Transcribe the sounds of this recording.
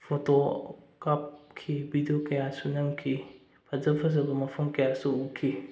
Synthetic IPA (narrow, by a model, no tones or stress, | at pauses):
pʰotokap̚kʰibidijokɐjasunɐmkʰi | pʰɐzɐpʰɐzɐbɐmɐpʰɐmkɐjasuukʰi